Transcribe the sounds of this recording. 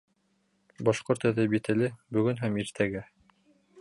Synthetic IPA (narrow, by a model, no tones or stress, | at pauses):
bɑʃqoɾt̪æ̆ðæbit̪ɘ̆lɘbɵ̆ɡɵnɦæmiɾt̪ʰæɡæ